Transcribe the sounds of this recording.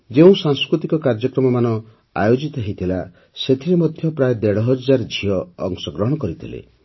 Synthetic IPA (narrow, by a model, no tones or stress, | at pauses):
d͡ʒeũsaŋskɾut̪ikɔkaɾd͡ʒɔkɾɔmɔmanɔ | a̰jod͡ʒit̪ɔɦejt̪ʰila | set̪ʰiɾemɔd̪ʱjɔpɾajed̪eɽɔɦɔaɾd͡ʒʱiɔːŋsɔɡɾɔɦɔɽ̃ɔkɔɾit̪ʰilḛ